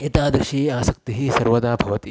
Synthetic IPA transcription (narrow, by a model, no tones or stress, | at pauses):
it̪aːd̪ɾʃieaːsɐk̚t̪iɦiːsɐɾʋɐd̪aːbʱɐʋɐt̪i